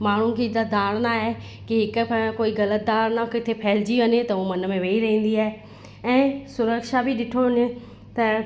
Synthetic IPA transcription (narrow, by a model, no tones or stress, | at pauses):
maːɳ̤ũkʰed̪ad̪aːɽ̃naːɦe | kɪɦɪkkoːiɣɐlət̪̚d̪aːɾnakɪt̪ʰepʰɐɦɪld͡ʑiʋɐnet̪ɐuːmɐnə̆mẽʋeːiɾɐɦĩːn̆d̪iaːɦe | ɛ̃ːsʊɾəkʃabiɗɪʈʰoɪnɪ | t̪ɐ